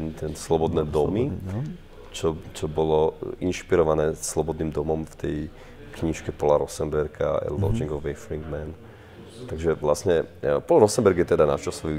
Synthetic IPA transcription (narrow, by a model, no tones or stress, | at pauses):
nt̪ɛnslɔbɔd̪nɛːd̪ɔmi | t͡ʃɔt͡ʃɔbɔlɔʔinʃpiɾɔʋanɛːslɔbɔd̪niːmd̪ɔmɔmft̪ɛj | kɲiʃkɛpɔlaɾɔsɛmbɛɾkʰa̰ɛ̰lɔd͡ʒiŋɡɔʋɛfɾiŋɡmɛn | t̪aɡʒɛʋlasɲɛpɔlaɾɔsɛmbɛɾɡjɛt̪ɛd̪ana̰t͡ʃasɔʋi